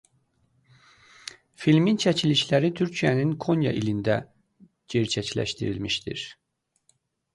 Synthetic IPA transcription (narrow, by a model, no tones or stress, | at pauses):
filmint͡ʃʰæcʰiliʃlæɾit̪ʰyɾcʰijæninkʰonjɑ̰ʔilind̪æ | ɟeɾt͡ʃʰæcʰlæ̰ʃt̪iɾilmiʃt̪ḭɾ̥